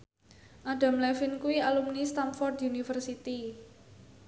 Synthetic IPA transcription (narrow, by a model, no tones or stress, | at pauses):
ʔaɖ̥a̤mlɛfɪnkuwialumnist̪amfɔrd̪unifərsit̪i